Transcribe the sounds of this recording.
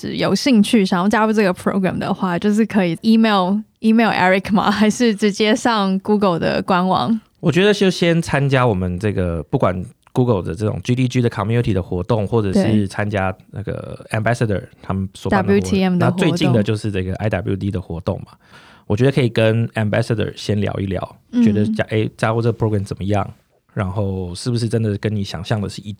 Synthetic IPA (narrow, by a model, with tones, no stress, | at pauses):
ʈ͡ʂɻ̩̰˨˩jo˨˩ʊɕi˥˧ŋt͡ɕʰy˥˩ɕɑ˨˩ɑ˥˩t͡ɕja˥u˥˧ʈ͡ʂə˥˩ɡə˩pʰɹo̰˧˥ʊɡɹæ̰˨˩md̪ə̰˩xwa˥˩t͡ɕjo˥˧ʊʂ̬ɻ̩˥˩kʰɤ˧˥i˨˩i˥me˥˩li˥me˥˩ɪlʔɛ̰˥ɹi˨˩kʰma̰˨xa˧˥ɪʂɻ̩˥˩ʈ͡ʂɻ̩˧˥t͡ɕjɛ˥ʂɑ˥˩ŋku˥ɡə˨ld̪ə̰˩kwa˦˥nwɑ̰˨˦ŋ | wɔ˨˩t͡ɕɥɛ˧˥d̪ə˧ɕjo˥˩ɕjɛ˦nt͡sʰa˦˥nt͡ɕja˥wɔ˨˩mə˨˦nʈ͡ʂɤ˥˩ɡə˩pu˥˩kwa˨˩n | ku˥ɡə˨˩lˠd̪ə̰˩ʈ͡ʂə˥˩ʈ͡ʂʊ̰˨˩ŋt͡ɕy˥t̪i˥˩t͡ɕy˥d̪ə˨kʰɑ˨˥ŋmju˥t̪ʰi˨˩d̪ə˩xwɔ˧˥t̪o˥˧ŋxwɔ˥˩ʈ͡ʂə˨˩ʂɻ̩˥˩t͡sʰa˦nt͡ɕja˥na˥˩ɡə̰˩æ˨mbæ˥sə˥˩d̪ə̰˞˨˩t̪ʰa˥mə˨nswɔ˨˩a˨nu˥t̪ʰiɛ˥mna˥˧t͡swe˥˧ɪt͡ɕi˥˧ŋd̪ə˩t͡ɕjo˥˧ʊʂɻ̩˥˧nə˥˧˩ɡə˩ʔa˥ɪd̪a˨blju˥˩t̪ʰi˥d̪ə˨xwɔ˧˥t̪o̰˥˨˩ŋma˩ | wɔ˨˩t͡ɕɥɛ˧˥d̪ə˧kʰi˨˩kə˦næ˨˧mbæ˥sə˧˥d̪ə̰˨˩ɕjɛ˦nljɑ̰˧ʊḭ˥˩ljɑ̰˨˦ʊt͡ɕɥɛ˧˦˥d̪ə˧t͡ɕa˥ʔe˥ɪt͡ɕjɑ˥xu˥˧ʈ͡ʂə˥˩ɡə˩pʰɹo˥ɡɹɛ˨mt͡sə˨˩nmə˩jɑ̰˥˩ŋ | ɻa˧˥nxo˥˩ʊʂɻ̩˥˩bu˩ʂɻ̩˥˩ʈ͡ʂə˦˥nd̪ə˨kə˦˥ni˨˩ɕjɑ̰˨˩ŋɕjɑ˥˩ŋd̪ə˩ʂɻ̩˥˧i˥˩